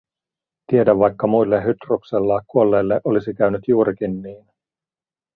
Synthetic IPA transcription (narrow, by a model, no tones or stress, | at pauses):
t̪ie̞dæʋːɑjkːɑmujlːeɦyt̪rukselːɑːkuo̞lːe̞jlːeʔo̞lisikæyɥnyt̪juːɾikinːiːn